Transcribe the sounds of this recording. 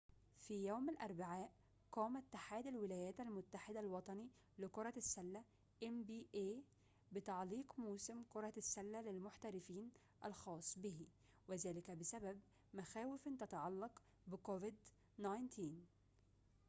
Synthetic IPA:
fiːjoːmalʔɑɾˤbaʕaːʔ | qɑːmæt̪ːaħaːd̪ælwɪlæːjæːt̪ælmʊt̪ːaħɪd̪alwɑt̪ˤɑni | lɪkʊɾˤɑsːælːæ | ʔembiːʔeː | bɪt̪ɑʕliːqmuːsɪmkoɾˤɑsːælːælɪlmʊħt̪æɾɪfiːn | ʔælxɑːsˤːbɪhi | wɪzæːlɪkæbɪsæbæb | mæxæːwɪfɪnt̪æt̪ɑʕɑlːɑq | bɪkovɪd̪ | nɑjnt̪ʰiːn

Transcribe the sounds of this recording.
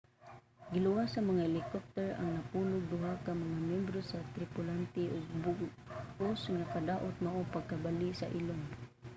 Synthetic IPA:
ɡilʊwasamaŋahelɪkɔp̚t̪ɛɹa̰ŋnapulʊɡ̚d̪ʊɦakamaŋamjɛmbɾosat̪ɾɪpʊlant̪iʔoɡ̚bʊ | osŋakad̪aʔʊt̪̚maʔopaɡ̚kabaliʔsaʔilon

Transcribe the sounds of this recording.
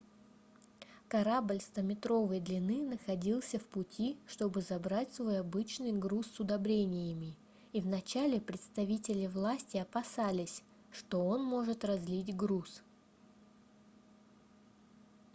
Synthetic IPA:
kɐɾablʲst̪əmʲɪt̪ɾo̞vɨjd̪lʲɪnɨnəxɐdʲilˠsʲəfpʊtʲʰiʂt̪o̞bɨzɐbɾatʲsvo̞jɐbɨt͡ɕnɨjɡɾusːʊd̪ɐbɾʲenʲɪjəmʲɪ | ivnɐt͡ɕalʲɪpɾʲɪt̪st̪ɐvʲitʲɪlʲɪvlˠasʲtʲɪɐpɐsalʲɪsʲ | ʂt̪o̞o̞nmo̞ʐɨt̪rɐzʲlʲitʲɡɾus

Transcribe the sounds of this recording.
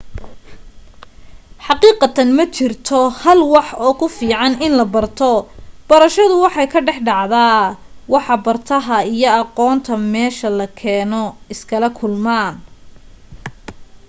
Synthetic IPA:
ħɑqiːqɑt̪ʰɐnmɐt͡ʃʰɪrt̪ʰɔhɐlwɑħɔːkʰʊfiːʕɑnɪnlɐbɐrt̪ʰɔb̥ɐɾɐʃɐðʊwɑħɑjkʰɐɖɛħɖɑʕðaː | wɑħɑbɐrt̪ʰɐɦɐijɔɑqɔːnt̪ʰɐmɛːʃɐlɐkʰɛːnɔɪskʰɐlɐkʰʊlmaːn

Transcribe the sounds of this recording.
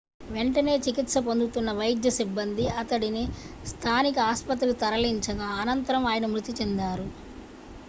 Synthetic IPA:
ʋeɳʈɐne̞ːt͡ʃikit̪sɐpond̪ut̪unːɐʋɐjid̪jɐsibːɐnd̪iɐt̪ɐɽini | st̪ʰaːnikɐaːspɐt̪ɾilut̪ɐɾɐliɲt͡ʃɐɡaːnɐnt̪ɐɾɐmaːjɐnɐmɾut̪it͡ʃend̪aːɾu

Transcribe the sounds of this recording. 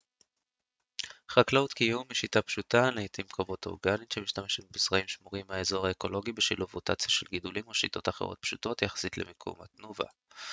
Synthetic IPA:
χaklaut̪kijumːiʃitapʃutaneit̪ʰimkʰavo̞t̪o̰ʁɡanitʃemiʃt̪ameʃetbisʁaimʃmuʁimhaezo̞ʁaeko̞lo̞ɡibeʃiluvot̪at͡sjaʃelɡid̪ulimoʃit̪o̞taχeʁo̞̰t̪̚pʃut̪o̞t̪jaχḁsit̪lḛmikʰṵma̰t̪nuva̰

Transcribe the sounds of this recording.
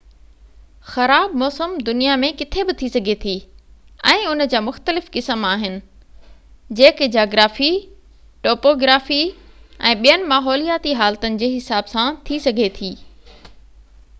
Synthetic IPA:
xɐɾaːbmɔːsəmd̪ʊnijamẽkɪt̪ʰebɪt̪ʰisɐɡʱet̪ʰiːɛ̃ːʊnə̆d͡ʑaːmʊxt̪əlɪfkɪsəmaːɦɪnɪ̆ | d͡ʑeːkɪd͡ʑaːɡɾaːfi | ʈoːpoːɡɾaːfiɛ̃ːɓijənɪ̆maːɦɔːlijaːt̪iɦaːlt̪ənɪ̆d͡ʑeːɦɪsaːbsãt̪ʰisɐɡʱet̪ʰiː

